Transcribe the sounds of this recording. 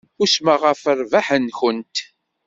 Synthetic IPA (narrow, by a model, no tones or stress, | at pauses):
ʊsməʁəfəɾvaħənçənt̪